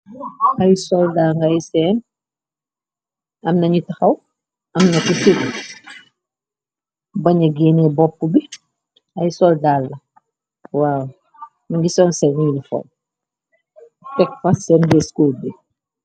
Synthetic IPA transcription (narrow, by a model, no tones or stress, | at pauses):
hɐjsɔldaŋɡɐjsɛːn | ɐmnɐɲitɐxɐw | ɐmnɐtisil | bɐɲɐɡɛːnɛbɔpːubi | ɐjsɔldaːlːɐ | waːw | mɐŋɡisɔːnsɛnilifɔ̰l | kɛkfɐsɛnbɛskuːlbi